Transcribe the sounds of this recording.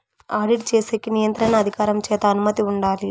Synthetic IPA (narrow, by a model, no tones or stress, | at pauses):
aːɾɖiʈ̚t͡ʃeːseːkːinijɐnt̪ɾɐɳɐːd̪ʱikaːɾɐmt͡ʃɛːt̪ɐːnumɐt̪iuɳɖaːli